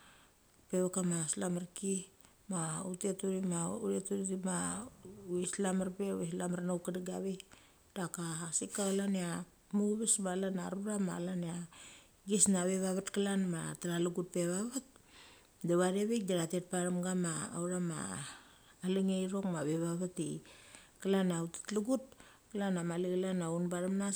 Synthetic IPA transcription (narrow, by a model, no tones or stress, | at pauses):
pe̞βakamaslamaɾki | mautetuɾimauɾietuɾiɾima | islamaɾpewislamaɾnawkadiɡaβej | d̥akasikaalanea | muβesmalanaɾβɾama̰lanea | ɡisnaβeβaβatkalanma̰taɾaluɡut̚pe̞βaβat̚ | daβaɾeβek̚daɾatet̚paɾamɡama̰ːwɾama̰ː | liŋejɾo̞kmaβeβaβatikalanautḁtluɡut̚ | kalanamalikalanaunbaɾamna